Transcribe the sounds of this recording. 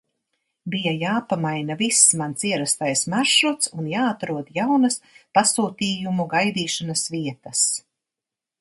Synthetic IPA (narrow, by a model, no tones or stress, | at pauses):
bijajaːpamajnavisːmansiɛɾast̪ajsmaɾʃɾut̪sunjaːat̪ɾuɔd̪jawnɐspasuːt̪iːjumuɡajd̪iːʃanasviɛt̪ɐs